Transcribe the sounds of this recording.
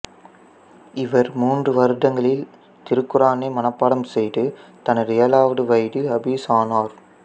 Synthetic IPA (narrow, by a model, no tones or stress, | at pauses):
ɪʋɐɾmuːndrɯʋɐɾɯðɐŋɡɐɭɪl | t̪ɪɾɯkːɯɾaːnemɐnɐpːaːɽɐmsɛjɾɯt̪ɐnɐɾɪjɐlaːʋɐɽɯʋɐɪɽɯɐbisaːnaːɾ